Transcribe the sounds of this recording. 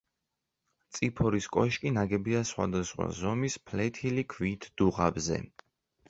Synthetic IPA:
t̪sʼipʰɔɾiskʼɔʃkʼinaɡɛbiasχwa̰d̪asχwa̰zɔmispʰlɛt̪ʰilikʰvit̪ʰd̪̥uʁabzɛ̰

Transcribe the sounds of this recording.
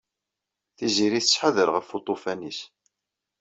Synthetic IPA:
θiziɾiθət͡sːħəðəɾʁəfut̪ˤofænis

